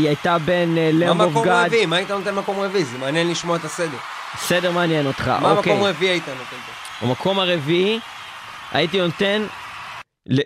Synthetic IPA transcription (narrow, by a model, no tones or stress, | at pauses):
iajt̪abe̞nlemovɡadviimaːit̪anot̪enmako̞mʁevizimaːnjenliʃmoaet̪asedeʁ | sedeʁmaːnjeno̞t̪χa̰ʔmʔaomakeomʁeviiait̪anot̪ente | a̰makʰo̞maʁevii | a̰it̪inont̪e̞n | le